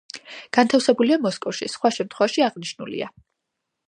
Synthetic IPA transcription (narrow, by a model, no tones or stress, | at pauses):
ɡ̥ant̪ʰafsɛbuliamɔskʼɔfʃisχwaʃɛmt̪ʰχwɛvaʃiaʁniʃnṵlḭa